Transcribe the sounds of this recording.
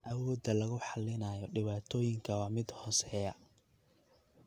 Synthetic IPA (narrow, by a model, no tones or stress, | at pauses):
ʔɐwɔːd̪ːɐlɐɣʊħɑlɪnaːjɔɖɪβaːt̪ʰɔːjɪŋkʰɐwɑːmɪd̪hɔːsɛjɐ